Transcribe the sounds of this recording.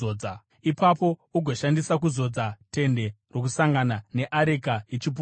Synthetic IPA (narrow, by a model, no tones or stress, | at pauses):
oːa | ipapo̞uɡʱo̞ʃandisakuzo̞d͡zate̞nde̞ro̞k̬usaŋɡanane̞ʔaɾekajit͡ʃip̬u